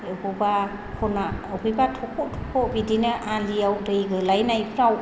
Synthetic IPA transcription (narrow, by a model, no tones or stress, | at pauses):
ɯbɔba | kʰɔnaɯbʰɯjbatʰɔkʰɔtʰɔkʰɔbidinɯʔaliawdɯjɡɯlajnajpʰɾaw